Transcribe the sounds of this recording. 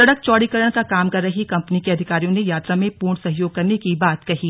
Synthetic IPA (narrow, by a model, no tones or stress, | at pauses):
sɐɽək̚t͡ʃɔːɽikəɾəɽ̃kakaːmkɐɾːɐɦikɐ̃mpnikeɐd̪ʱɪkaːɾijõnejaːt̪ɾamẽpuːɾɳsɐɦjoːɡ̚kɐɾnekibaːt̪kɐɦiː